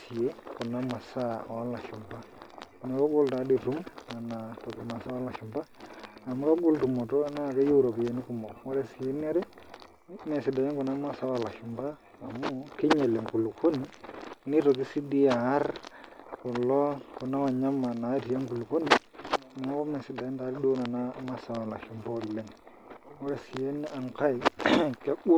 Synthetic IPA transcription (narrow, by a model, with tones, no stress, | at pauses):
si˨e˦kɔ˨na˦mwa˨sa˦wa˦la˨ʃʊ˨mba˦˨ | ne˨kɔ˦ɡʊ˦lta˨˦di˨tu˦ma˨na˨to˨ki˨ma˨sa˦wa˦la˨ʃʊ˨mba˦a˨mu˦ka˦ɡʊ˦ltu˨mɔ˨tɔ˦na˦˨ke˦ju˦ɾo˨pje˨ni˦ku˨mɔ˨mɔ˦ɾe˦˨si˨e˦n˦ɛ˦ɾɛ˦ | mɛ˨sɪ˨da˨ɲe˦ŋkɔ˨na˦mwa˦sa˦wa˨la˨ʃʊ˨mbaː˦˨ | mu˦ki˦ɲe˨le˨ŋku˨lu˨ko˦ni˨ni˦to˨k̬i˦si˦di˦ja˨a˦ɾku˨lo˦ku˨na˦ma˨ɲa˦ma˨na˨˦ti˨je˦ŋku˨lko˦ni˨ | ni˨ŋa˦ko˦me˨si˨da˨je˦ta˨ɾi˦do˦na˨na˦ma˦sa˨wa˨la˨ʃi˨mbo˦lːe˦n˨ | wo˦ɾe˨si˨je˦nːi˦a˨ŋka˦i˨ke˦ɡu˦